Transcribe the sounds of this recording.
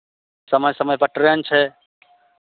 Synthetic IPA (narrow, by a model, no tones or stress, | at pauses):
səməjsəməjpəʈɾənt͡ʃʰɛ